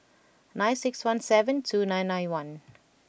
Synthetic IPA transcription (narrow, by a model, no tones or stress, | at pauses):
nãj̃nsɪkswãnsɛvə̃ntʰunãj̃nːãjnwãn